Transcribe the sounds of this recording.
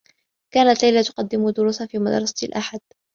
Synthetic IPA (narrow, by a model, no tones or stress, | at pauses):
kaːnat̪lajlat̪ʊ̥qɑd̪ːɪmʊd̪ʊɾuːsafiːmad̪ɾˤɑsˤḁt̪lʔaħad̪̥